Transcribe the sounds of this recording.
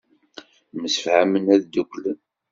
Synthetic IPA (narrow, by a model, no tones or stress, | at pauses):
məsə̥fhamənæðd̪ukʷlən